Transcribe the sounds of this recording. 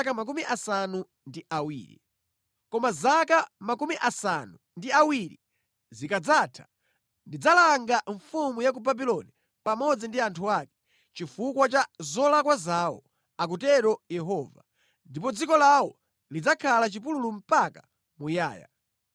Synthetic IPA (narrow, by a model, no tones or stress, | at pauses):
kamak̬umiʔasanu | ndiʔawḭːɾḭ | kɔmazakamakumiʔasanu | ndiawiɾḭ | zikad͡zatʰḁ | ndid͡zalaŋɡaɱfumujak̬ubabilɔni | pamɔd͡zindiantʰuaːkɛ̥ | t͡ʃifukwat͡ʃazɔlakwazawɔ̰ | ak̬utɛɾɔjɛɦɔːva | ndipɔd͡zikɔlawɔ | lid͡zakʰalat͡ʃipululum̩paka | muja̰ːja̰